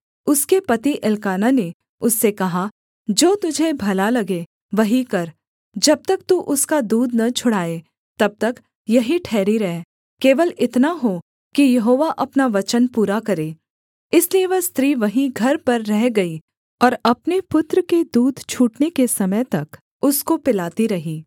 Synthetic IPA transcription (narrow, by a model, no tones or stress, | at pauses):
ʊskepɐt̪iʔɪlkaːnane | ʊsːekɐɦa | d͡ʒoːt̪ʊd͡ʒʱebʱɐlalɐɡe | ʋɐɦikɐɾ | d͡ʒɐb̚t̪ɐk̚t̪uʔʊskad̪uːd̪ʱnɐt͡ʃʰʊɽ̤aːe | t̪ɐb̚t̪ɐk | jɐɦiʈʰɛːɾiɾɐɦe | keːʋəlɪt̪naɦo | kijɐɦoːʋaʔɐpnaʋɐt͡ʃənpuːɾakɐɾeː | ɪslieʋɐɦst̪ɾiːʋɐɦĩɡʱɐɾpɐɾːɛɦɡɐi | ɔːɾɐpnepʊt̪ɾəked̪uːd̪ʱt͡ʃʰuːʈnekesɐməjt̪ɐk | ʊskopɪlaːt̪iɾɐɦiː